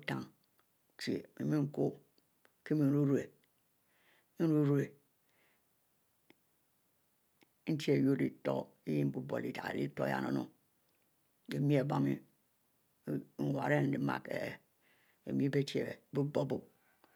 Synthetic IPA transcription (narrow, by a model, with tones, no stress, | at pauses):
ta˦˨ŋ˨ | ti˨ḛ˨mḭ˨mi˦ŋ̩˦ko˦ | ke˦mi˦˨˦ɾu˦ɾu˦e˨˦ | ɾu˦ɾu˦e˨ | n̩˦ti˦e˨jo˦di˨to̰˦i˦ji˦bu˦bo̰˨li˨ta̰˨lḭ˦to˦ja̰˦˨no̰˨nṵ˦ | e˨mi˦e˨ba˦mḭ˦ | ŋ̩˨wa˨ɾe˦˨n̩˦di˨˦ma̰˨kḛ˨ | ḛ˨mi˦be˦ti˦ḛ˨˦bu˦bo˦bu˦p̚